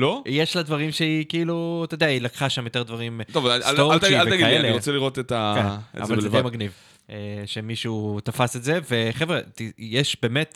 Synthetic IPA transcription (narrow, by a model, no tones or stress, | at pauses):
lojeʃlad̪vaʁimʃeikiilut̪od̪eailakχaʃamjot̪e̞d̪vaʁimt̪ovaot̪ialvaɡiaeleiʁot͡seliʁot̪et̪akenḛa̰valzedemaɡniv | eʃe̞miʃuut̪afasetze̞ve̞χevʁetijeʃbe̞ːmet̪